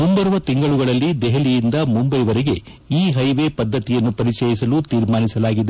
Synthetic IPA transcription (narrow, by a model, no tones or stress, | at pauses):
mumbɐɾʋɐt̪iŋɡɐɭuɡɐɭɐlːid̪ɛɦelijind̪ɐmumbɐjʋɐɾeɡe̞ | iːɦɐjʋeːpɐd̪ːɐt̪ijɐnːupɐɾit͡ʃɛːjisɐlut̪iːɾmaːnisɐlaːɡid̪e